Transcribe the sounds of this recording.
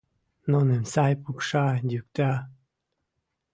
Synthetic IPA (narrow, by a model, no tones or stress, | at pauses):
nonensɑjpukʃɑd̪ʲyk̚t̪ɑ